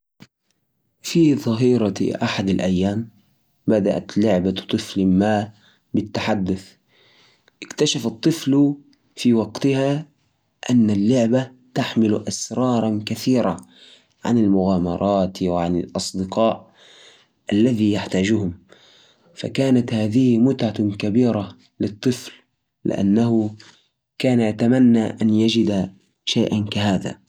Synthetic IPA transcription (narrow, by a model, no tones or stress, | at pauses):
fiðˤɑɦiːɾˤɑʔaħad̪alʔajːaːm | bad̪aʔa̰t̪lʊʕbat̪ˤɨflmaː | bɪt̪ːaħad̪ːʊθ | ʔɪkt̪aʃafɑt̪ˤːɨfl | fiwɑɡt̪ɪha | ʔanːalːʊʕba | t̪aħmɪlʔasɾˤɑːɾˤɑnkaθiːɾa | ʕa̰nɪlmʊɣaːmɑ̰ɾˤʔɑːt̪wɪʕanɪ̰lʔɑsˤd̪ɪqɑːʔ | ʔalːaðijaħt̪aːd͡ʒʊhʊm | fa̰kaːnat̪haːðɪhɪmʊt̪ʕakabiːɾa | lɨt̪ˤːɨflː | ɪ̰ʔa̰nːaɦʊ | kaːnajat̪amanːaʔanjad͡ʒɪd̪a | ʃaːʔankaɦaːða̰